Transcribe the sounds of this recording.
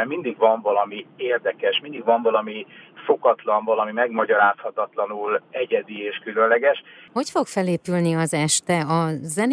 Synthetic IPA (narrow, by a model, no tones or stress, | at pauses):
ɛmind̪iɡʋɒɱvɒlɒmieːrd̪ɛkɛʃmind̪iɡvɒɱvɒlɒmifo̞kɒt̪lɒɱvɒlɒmimɛɡmɒɟɒɾaːshɒt̪ɒt̪lɒnulɛɟɛd̪ieːʃkylønlɛɡɛʃho̞cfo̞kfɛleːpylniɒzɛʃt̪ɛɒzɛn